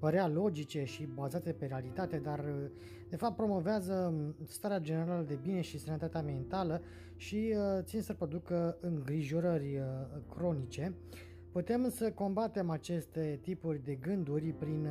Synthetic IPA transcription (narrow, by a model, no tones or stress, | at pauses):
pəɾealo̞d͡ʒit͡ʃe̞ʃibazat̪e̞pe̞ɾealit̪at̪e̞d̪ar | d̪e̞fap̚t̪̚pɾomo̞veazəst̪aɾead͡ʒene̞ɾaləd̪e̞bine̞ʃisənət̪at̪eame̞nt̪alə | ʃit̪sinsəpɾo̞d̪ukəɨŋɡɾiʒo̞ɾərʲkɾo̞nit͡ʃe̞ | put̪e̞msəko̞mbat̪e̞mat͡ʃe̞st̪e̞t̪ipurʲd̪e̞ɡɨnd̪urʲpɾin